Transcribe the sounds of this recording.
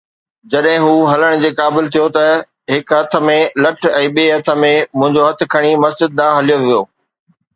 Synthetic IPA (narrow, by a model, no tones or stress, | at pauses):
d͡ʑɐɗɦɪ̃ɦuːɦɐləɽ̃d͡ʑeːkaːbɪlt̪ʰijot̪ɐ | ɦɪkɦɐt̪ʰə̆mẽlɐʈʰɛ̃ːɓiːɦɐt̪ʰə̆mẽmʊ̃ɦɪ̃ɲd͡ʑoɦɐt̪ʰɪ̆kʰɐɽ̃imɐsd͡ʑɪd̪̚ːãːɦɐlijoʋijoː